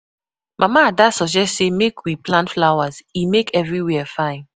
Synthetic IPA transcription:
mʔamaːdasɔd͡ʒɛstsemekwiplãntflawazimekɛvɹiwɛɛfãɪ̃n

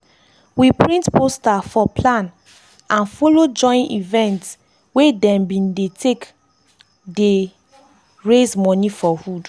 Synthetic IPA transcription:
wipʰɹĩntpostafɔpʰlãn | ãnfolod͡ʒɔ̃ɪ̃nḭvɛ̃nts | wedɛ̃mbĩndetʰek | de | ɹezmɔnifɔhud

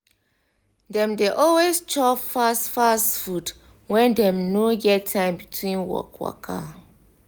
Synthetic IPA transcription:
dɛ̃mdeʔɔlwest͡ʃɔfastfastfud | wɛ̃ndɛ̃mnoɡɛtʰːãɪ̃mbitʰwĩnwɔ̰kwa̰kʰa

